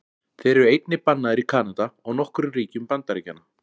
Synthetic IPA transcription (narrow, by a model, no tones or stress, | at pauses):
θejɾɛɾʏejt̪nɪpanːaðɪɾikʰaːnat̪aɔɣnɔhkʏɾʏriːcʏmpant̪aɾiːcanːa